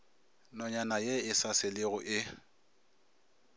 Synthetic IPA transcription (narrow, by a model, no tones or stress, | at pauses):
nɔɲanajeɪsasɪlɪɣʊʔɪ